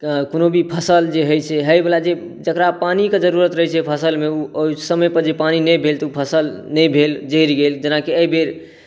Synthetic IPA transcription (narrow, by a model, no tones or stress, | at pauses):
konobʱipʰəsəld͡ʒeɦəjt͡ʃʰɛɦəjbelad͡ʒe | d͡ʒəkɾapaniked͡ʒəɾuɾət̪ɾəɦɛt͡ʃʰɛpʰəsəlmeuoisəməjpəɾd͡ʒepaninəjbʱelt̪upʰəsəlnəjbʱeld͡ʒəɾɡeld͡ʒənakeəibeɾ